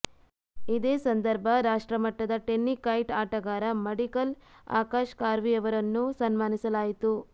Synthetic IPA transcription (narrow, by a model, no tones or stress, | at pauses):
id̪eːsɐnd̪ɐɾbʱɐɾaːʂʈɾɐmɐʈːɐd̪ɐʈenːikɐjʈaːʈɐɡaːɾɐmeɽikɐla̰ːkaːʃkaːɾʋiɐʋɐɾɐnːusɐnmaːnisɐlaːjit̪u